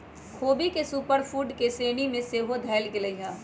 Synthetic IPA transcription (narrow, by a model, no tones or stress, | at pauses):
kʰoːbikesuːpəɾfuːʈkeseːnimẽseːɦod̪ʱɛːlkɪləɦãː